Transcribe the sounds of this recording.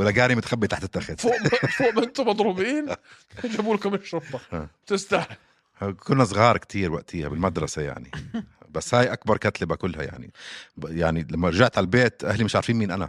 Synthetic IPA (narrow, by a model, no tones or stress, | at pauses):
wɪlːaɡaːɾimɪt̪xabːit̪aħt̪ɪt̪ːaxɪðoːʔfoːʔmɪnt̪ʊmɑd̪ˤɾubiːn | ɪd͡ʒabuːlkʊmɪʃːʊt̪ˤːɑʔaːt̪ɪst̪ahɪ | kʊnːasˤɣɑːɾˤkt̪ʰiːɾwaʔt̪ʰɪjːa̰bɪlmad̪ɾˤɑsaja̰ʕnibasːhaːjʔak̚bɑɾˤkat̪lɪbakʊlːha̰ja̰ʕnḭjaʕnilamːaɾˤʒaʕt̪ʕalalbeːt̪ʔahlimɪʃʕaɾˤfiːmiːnʔana̰